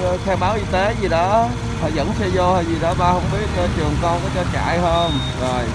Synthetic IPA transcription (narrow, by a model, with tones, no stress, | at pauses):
xʰɛ˧wɓaː˨˦wʔi˧t̪e˨˦zi˨˩ɗɔ˨˦˨ | hʰɔ̰˧˨˩jzə̰˧˥nsɛ˧zo˧hɔ˧˨˩zi˨˩ɗɔ˨˦˥ɓaː˧hə˧wŋ͡mɓi˦˥ət̚t͡ɕɔ˧t͡ɕɨ˨˩əŋkɔ˧nkɔ˨˦t͡ɕɔ˧t͡ɕa̰ː˧˨jhəː˧m | zo˨˩j